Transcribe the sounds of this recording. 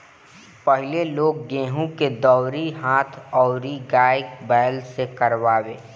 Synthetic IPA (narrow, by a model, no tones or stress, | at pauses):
pəɦɪleloːɡ̚ːẽːɦũked̪ɔːɾiɦaːt̪ʰɔːɾiɡaːɪkbɛːlsekəɾʋaːweː